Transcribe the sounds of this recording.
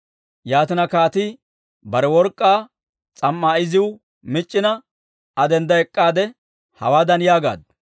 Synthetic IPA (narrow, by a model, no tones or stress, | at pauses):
jaːt̪ɪnɐkaːt̪ɪ | bɐɾɛwɔɾkʼːaː | t͡sʼɐmːaːɪzɪwʊ | mɪt͡ʃʼːɪnɐ | ɐd̪ɛnd̪ɐɛkʼːaːd̪ɛ | hɐ̰waːd̪ɐnjaːɡa̰ːd̪̚